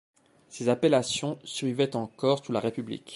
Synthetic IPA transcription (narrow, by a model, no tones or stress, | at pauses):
sezapelasjɔ̃sɥivɛt̪ɑ̃kɔʁsulaʁepyblḭk